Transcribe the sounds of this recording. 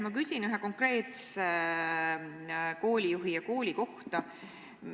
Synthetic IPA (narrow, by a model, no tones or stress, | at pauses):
mɑkysʲinyɦeko̞ŋkre̞ːt̪se | ko̞ːlʲijuɦijɑko̞ːlʲiko̞ht̪ɑ